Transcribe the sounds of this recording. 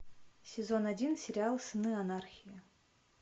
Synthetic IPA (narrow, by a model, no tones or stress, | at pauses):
sʲezonadʲinsʲeɾʲɪalˠsɨnɨanarxʲijə